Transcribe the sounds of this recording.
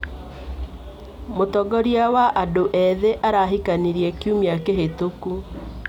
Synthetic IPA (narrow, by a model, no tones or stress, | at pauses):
motɔɡɔɾiawaʔadoʔɛðeʔaɾaɦikaniɾiɛkjumiakeɦetoku